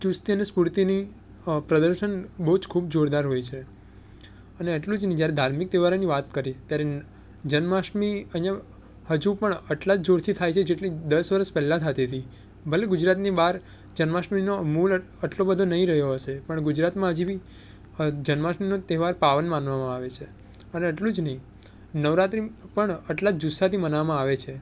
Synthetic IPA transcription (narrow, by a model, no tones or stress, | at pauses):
t͡ʃust̪iənespuɾt̪ini | pɾəd̪əɾʃənbəɦud͡ʒkʰub̚d͡ʒoɾd̪aɾɦojt͡ʃʰe | əneːʈlũd͡ʒnəĩd͡ʒjaɾed̪ʱaɾmik̚d̪eʋaɾaniʋat̪kəɾit̪jaɾe | d͡ʒənmaʃmiənjə | həd͡ʒupəɳəʈlad͡ʒd͡ʒoɾt̪ʰit̪ʰajt͡ʃʰed͡ʒeʈlid̪əsʋəɾəspɛlːãt̪ʰat̪et̪ʰi | bʱəleɡʊd͡ʒɾat̪nibaɾ | d͡ʒənmaʃminomuləʈlobəd̪ʱonəɦĩɾəɦjoɦəʃepəɳɡʊd͡ʒɾat̪mãɦəd͡ʒibʱi | d͡ʒənmaʃminot̪eɦʋaɾpaʋənmanʋamãaʋet͡ʃʰe | əneəʈlũd͡ʒnəɦĩ | nəʋɾat̪ɾipəɳəʈlad͡ʒd͡ʒusat̪ʰimənʋamãaʋet͡ʃʰe